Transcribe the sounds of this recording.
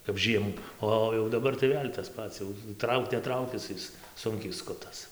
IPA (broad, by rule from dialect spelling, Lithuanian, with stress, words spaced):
kɐp ˈʒʲiɛmuː ˈoː oː jɛʊ dɐˈbɐr tɐɪ ˈʋʲeːlʲ tɐs ˈpɐts jɛʊ ˈtrɐʊk nʲɛˈtrɐʊkʲɪs ˈɪs ˈsʊŋʲkʲɛɪ ˈskʊtɐs